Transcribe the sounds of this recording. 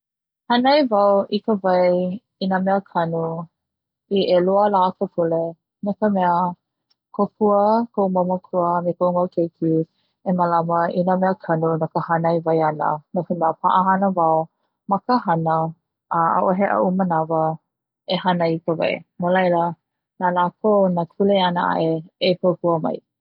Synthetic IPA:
hɐnɐjvawikəvɐj | inamɛəkʰɐnu | iʔeluəlakəpʰule | nakəmɛə | kʰopʰuəkʰowmoməkʰuəmekowmawkʰejkʰi | eməlaməinəmɛəkʰɐnunakəhanajvajanə̰nakəmeəpʰa̰ʔəɦanəvaw | makəɦanə | ʔəa̰ʔoɦeʔa̰ʔumənavə | ehanajkəva̰jmolajlə | nalakʰownakʰuleanəa̰ʔeepʰopuəmɐ̰j

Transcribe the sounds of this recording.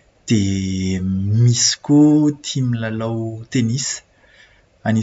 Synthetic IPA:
d̪̥e | miskʲot̪ʰimilalawt̪enis | ani

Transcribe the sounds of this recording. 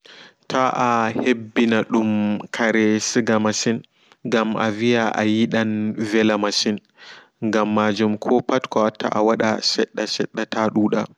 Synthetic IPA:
tʰaʔahebːinaɗumkʰaɾɛsiɡamasin | ɡamʔa̰vijaʔa̰jiɗanvɛlamasin | ŋɡamːaːd͡ʒumkʰɔpatkɔatʰːa̰ʔawaɗa̰sɛɗːasɛɗːataɗuːɗa

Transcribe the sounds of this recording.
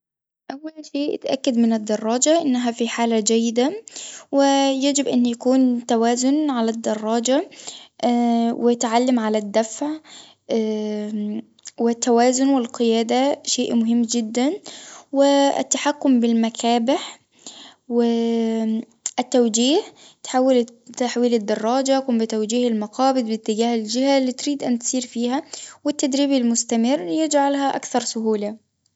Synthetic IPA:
ʔawːalʃeːʔʔɪ̰t̪ʔa̰kːad̪mɪnɪd̪ːɑrˤːɑːd͡ʒaʔɪnːɦafiħaːlad͡ʒajːɪd̪awɪjad͡ʒɪbʔɪnːjakuːnt̪awaːzʊnʕalad̪ːɑrˤːɑːd͡ʒa | wɪt̪ʕalːamʕalad̪ːafʕ | wɪt̪ːawaːzʊnwɪlqɨjaːd̪aʃeːʔmʊɦɪmːd͡ʒɪd̪ːanwɪɪ̰t̪ːaħakːʊmbɪlmakʰaːbɪħ | wɪ | ʔɪt̪ːawd͡ʒiːh | t̪ħaːwːɪlt̪ːaħwiːlɪd̪ːɑrˤːɑːd͡ʒaʔkumbɪt̪awd͡ʒiːhɪlmɑqɑːbɪd̪bɪt̪ːɪɡaːhɪld͡ʒɪhalːiːt̪ɾiːd̪ʔant̪siːɾfiːhawɪt̪ːad̪ɾiːbɪlmʊst̪amɪrːjɪd͡ʒʕalɦaʔa̰kθɑɾˤsʊɦuːla

